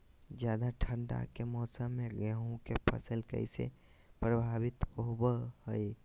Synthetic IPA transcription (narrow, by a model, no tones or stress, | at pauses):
d͡ʒjaːd̪aʈʰəɳɖa̰kemɔːsəmːeɡəɦũkepʰə̰səlkə̰ɪsḛ | pɾəbʱaːbit̪obəhəj